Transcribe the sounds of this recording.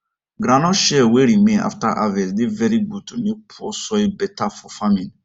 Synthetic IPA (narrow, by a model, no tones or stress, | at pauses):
ɡɾãnɔ̃ʃɛweɾimẽna̰ftaʔavɛldevɛɾiɡud̚tunupʰuɔsɔebɛtafɔfãmĩn